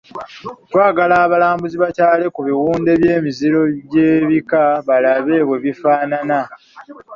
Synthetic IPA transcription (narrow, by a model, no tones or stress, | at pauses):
twaːɡalaːβalaːmbuziβacaːle̞kuβiwuːnde̞βjeːmiziɾo̞βje̞ːβikaβalaβe̞ːβwe̞βifaːnana